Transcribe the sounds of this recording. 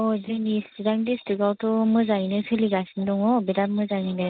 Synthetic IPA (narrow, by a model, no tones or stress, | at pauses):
ɔzɯnisidaŋdistɯɡawtɔmɯzaŋinɯsʰɯliɡasɯndɔŋɔbidap̚mɯzaŋinɯ